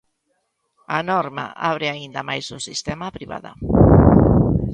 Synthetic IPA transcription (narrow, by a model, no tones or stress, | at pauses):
anɔɾma̰ʔa̰βɾɪaind̪ɐmajzʊsist̪ɛmapɾiβa̰ðɐ̰